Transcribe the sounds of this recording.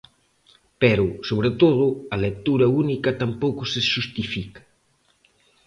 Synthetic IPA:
pɛɾʊsoβ̞ɾet̪oð̞ʊɐlek̚t̪uɾɐunikɐt̪ampowkʊseʃust̪ifikɐ̥

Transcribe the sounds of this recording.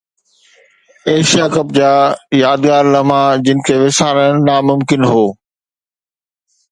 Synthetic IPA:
eːʃijaːkɐp̚d͡ʑaːjaːd̪ɡaːɾlɐmãːd͡ʑɪnɪ̆kʰeːʋɪsaːɾənnamʊmkɪnɦoː

